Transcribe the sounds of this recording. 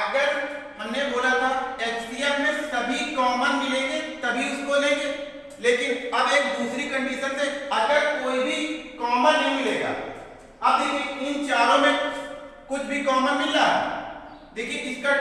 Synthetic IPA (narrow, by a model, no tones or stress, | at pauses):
ɐɡəɾ | hɐmneboːlat̪ʰaeːt͡ʃbieːɾmẽsɐbʱikɔːmə̃nmɪlẽːŋɡet̪ɐbʱiʊskonɐ̃ɦĩɡe | leːkɪnɐbeːk̚d̪uːsɾikɐ̃ɳɖiʃənseɐɡəɾkoːibʱikɔːmə̃nnɐ̃ɦĩmɪleːɡa̰ː | ɐbɪkɪnt͡ʃaːɾõmẽkʊt͡ʃʰbʱikɔːmə̃nmɪlːaɦɛ̰ | leːkɪnɪska